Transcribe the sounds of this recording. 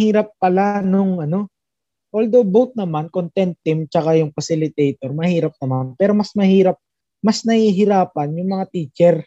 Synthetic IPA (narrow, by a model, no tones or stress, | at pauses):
hiːɾɐp̚ːɐlanʊŋʔɐno̞ | ʔold̪obowt̪̚nɐmankont̪ɛnt̪ːɪmt͡ʃɐkajʊŋfɐsɪlɪt̪ɛjt̪oɾmɐhiːɾɐp̚nɐmanpɛːɾo̞mɐsmɐhiːɾɐp̚ | mɐsnɐhiɦɪɾaːpɐnjʊŋmɐŋat̪iːt͡ʃɛɾ